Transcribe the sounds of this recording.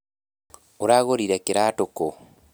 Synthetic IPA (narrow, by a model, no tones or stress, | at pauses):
uɾaɣoɾiɾekiɾatoko